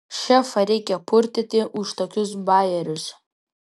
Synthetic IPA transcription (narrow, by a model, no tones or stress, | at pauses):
ʃʲɛfɐɾʲɛɪkʲɛpʰʊɾʲt̪ʲɪt̪ʲɪʔʊʃt̪oːkʲʊs̬bɑːjɛɾʲʊs